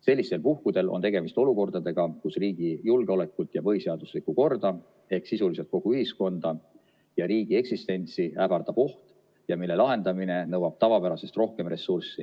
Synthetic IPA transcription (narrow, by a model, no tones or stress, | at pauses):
se̞lʲːist̪e̞lpuhkud̪̥e̞lʔont̪e̞ɡe̞mist̪o̞luko̞rd̪̥ɑd̪e̞ɡ̥ɑkusriːɡ̥ijulɡ̥eo̞le̞kːˑult̪ˑjɑpɤiseɑd̪̥uslikːˑuko̞rd̪̥ɑ | e̞hksisulise̞lt̪̚ko̞ɡ̥uyɦisko̞nd̪̥ɑ | jɑɾiːɡ̥ie̞ksist̪e̞nʲt̪siæɡ̥ɑrd̪̥ɑpo̞ht̪ | jɑmilːe̞lɑɦe̞nd̪̥ɑmine̞nɤwɑb̥t̪ɑvɑpæɾɑse̞st̪ro̞hke̞mre̞sːursːi